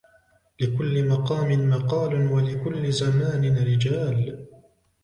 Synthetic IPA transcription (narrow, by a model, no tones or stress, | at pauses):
lɪkʊlːɪmɑqɑːmɪnmɑqɑːlʊnwalɪkʊlːɪzamaːnɪnɾɪd͡ʒaːl